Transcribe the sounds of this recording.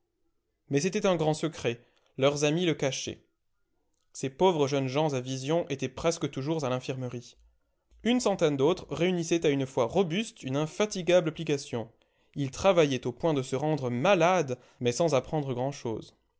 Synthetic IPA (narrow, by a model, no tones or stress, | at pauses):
mɛset̪ɛt̪ɛ̃ɡʁɑ̃səkχɛ | lœʁzamiləkaʃɛ̰ | sepovʁəʒœnʒɑ̃zavizjɔ̃ʔet̪ɛpχɛskət̪uʒuʁzalɛ̃fiʁməʁi | ynsɑ̃t̪ɛnd̪ot̪χəʁeynisɛt̪aynfwaʁɔbyst̪ynɛ̃fat̪iɡablaplikasjɔ̃ | ilt̪χavajɛt̪opwɛ̃d̪əsəʁɑ̃d̪ʁəmalad̪ | mɛsɑ̃zapχɑ̃d̪ʁəɡʁɑ̃ʃo̰ːz